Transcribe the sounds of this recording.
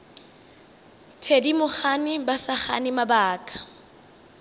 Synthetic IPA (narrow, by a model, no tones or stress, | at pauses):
tʰedimʊχanɪbasaχa̰nɪmabaːkʼḁ